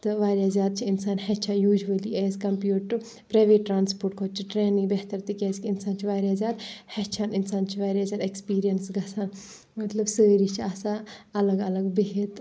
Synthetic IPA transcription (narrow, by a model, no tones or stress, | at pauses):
t̪ɨʋaːɾʲjaːzjaːd̪̚t͡ʃʰiɪnsaːnhɛt͡ʃʰajuːʒʋɐliɛːzkɐmpjuːʈːɨ | pɾaːʋeːʈːɾaːnspoːɾʈkʰot͡ʃʰiʈɾeːnĩŋɡbeɦt̪ɐɾt̪ikʲɛːzkiɪnsaːnt͡ʃʰiʋaːɾjaːzjaːt̪hɛt͡ʃʰaːnɪnsaːnt͡ʃʰiʋaːɾʲjaːzʲjaːd̪ekspiːɾijɐnsɡɐsʰaːn | mɐt̪lɐbsəːɾit͡ʃʰiasaɐlɐɡɐlɐɡbeɦit̪